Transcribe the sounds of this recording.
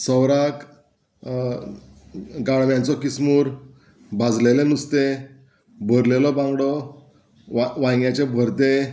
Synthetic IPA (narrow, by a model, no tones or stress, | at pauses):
səwɾak | ɡaɭʋjãnt͡sɔkismuːɾ | bad͡zlelenust̪e | bʱəɾlelɔbãŋɡɽɔ | aʋãɡjat͡ɕebʱəɾt̪e